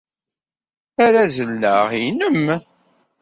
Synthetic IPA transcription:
æɾæzəlːəʁinəm

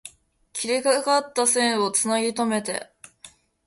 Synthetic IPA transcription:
kʲiɾikakat̪ːasẽ̞ɰ̃o̞t͡sɨnaɡʲit̪o̞me̞t̪e̞̰

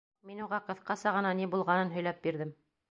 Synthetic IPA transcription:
minuʁɑqɤ̆θqɑsɑʁɤ̆nɑnibulˠʁɑnɤnɦɵ̆jlæp̚biɾðɘm

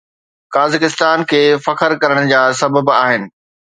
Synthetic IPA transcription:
kaːzɪkɪst̪aːnkʰeːfɐkʰəɾkɐɾəɽ̃d͡ʑaːsɐbəbaːɦɪnɪ̆

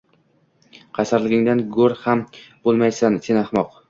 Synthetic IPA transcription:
qʰɑsaɾlˠɪɡʲɪŋd̪anɡɵɾhambolˠmajsansʰɪnaχmɒq

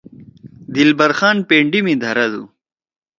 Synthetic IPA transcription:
d̪ilbɐɾxaːnpeːɳɖimĩd̪ʱɐɾɐd̪ṵ

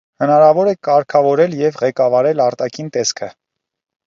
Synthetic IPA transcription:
hənɑɾɑvɔɾɛkɑɾkʰɑvɔɾɛljɛvʁɛkɑvɑɾɛlɑɾt̪ɑkʰint̪ɛskʰə

